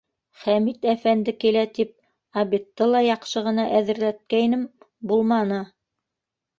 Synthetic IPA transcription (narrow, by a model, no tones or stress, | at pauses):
χæmit̪æfænd̪ɘkilæt̪ip̚ | ɑβit̪ːɤlˠɑjɑqʃɤʁɤ̆nɑʔæðɘ̆ɾlæt̪̚kæjnɘm | bulˠmɑnɤ